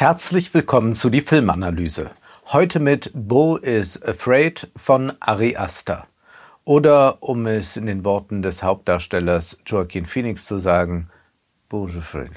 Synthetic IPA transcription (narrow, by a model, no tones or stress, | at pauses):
hɛɐt͡slɪçv̥ɪlkʰɔmənt͡sudiːfɪlmanalyːzə̰ | hɔʏtʰəmɪtboːʔɪsəfʁɛɪtfɔnʔa̰ʁiʔasta̰ | ʔoːdɐʔʊmɛsɪndeːnvɔɐtn̩dɛshaʊp̚t̚d̥aːɐʃtɛlɐsd͡ʒ̥oakʰinfiːnɪkst͡suzaːɡŋ̩ | b̥osfʁɛ̰